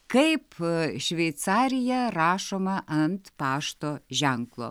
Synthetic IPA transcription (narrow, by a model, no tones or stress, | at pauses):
kɐjpʃʲvʲejt̪st͡saɾʲɪjaraːʃomɐʔɐnt̪paːʃt̪oʒæŋklˠo̰